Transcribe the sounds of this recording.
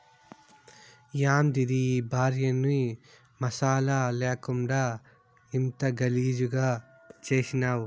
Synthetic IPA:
jaːmd̪iɾiːbʱaːɾjɐnːi | mɐsaːlaleːkuɳɖa | int̪ɐɡɐliːd͡ʒuɡaː | t͡ʃeːsinaːw

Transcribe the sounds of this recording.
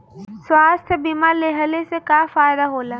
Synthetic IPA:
swaːst̪ʰbiːmaleɦəlesekaːfaːjd̪aɦoːlaː

